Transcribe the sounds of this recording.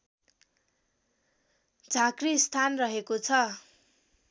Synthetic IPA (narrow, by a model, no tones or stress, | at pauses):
d͡zʱakrist̪ʰanrʌɦekot͡sʰʌ